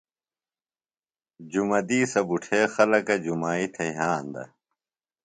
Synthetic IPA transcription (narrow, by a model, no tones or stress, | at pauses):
d͡ʑumɐd̪iːsɐbuʈʰeːxɐlɐkɐd͡ʑumaːit̪ʰɐɦaːnd̪ɐ̰